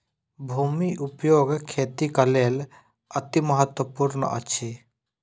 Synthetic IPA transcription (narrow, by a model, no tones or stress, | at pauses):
bʱuːmiʔupjoːɡkʰeːt̪ikɐleːl | ət̪iməɦət̪wəpuɾnə̰ʔə̰t͡ʃʰi